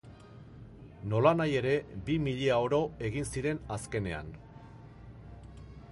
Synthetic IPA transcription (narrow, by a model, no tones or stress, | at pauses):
no̞lanaje̞ɾe̞bimiʎeao̞ɾo̞e̞ɣ̞insiɾe̞naske̞ne̞a̰n